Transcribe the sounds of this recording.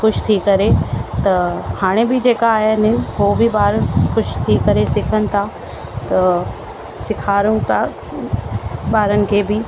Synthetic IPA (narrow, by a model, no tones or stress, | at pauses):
xʊʃt̪ʰikɐɾet̪ɐhaːɽ̃ebɪd͡ʑeːkaːɦenɪɦobɪbaːɾənxʊʃt̪ʰikɐɾesɪkʰənɪ̆t̪ʰa | t̪ɐ | sɪkʰaːɾũt̪ʰa | baːɾənɪ̆kʰeːbɪ